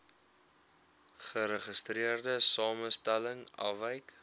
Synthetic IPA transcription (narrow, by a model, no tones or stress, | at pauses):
χəɾəχəstriərdəsɑːməstæləŋɐ̰vəjk